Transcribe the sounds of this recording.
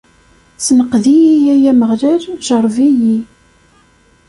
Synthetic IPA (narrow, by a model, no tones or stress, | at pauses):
snəqðijijæjæməʁlæɾʒəɾˤviji